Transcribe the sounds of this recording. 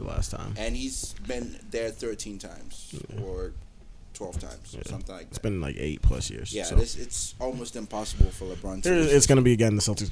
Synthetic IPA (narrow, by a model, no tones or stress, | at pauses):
ðə̰læ̰stʰã̰ɪ̃mɨ̃nizbɪ̃nðə˞θɜ˞tʰĩntʰãɪ̃mz̥ə˞ | tʰw̥ɛlˠv̥tʰã̰ɪ̃mz̥æ̰ʌ̃mθɪ̃ŋlaɪɪtsb̥ɨ̃ñnla̰ɪkḛɪt̚pʰl̥ʌ̰sjɪ̰ɹz̥jæsoɪsɪtsɔlˠmoʊstɨ̃mpʰɑsəbl̩ˠfə˞ləbɹɑ̃ntəzɪtsɡ̥ʌnɨbiɨɡɛ̃nðɨsɛlˠti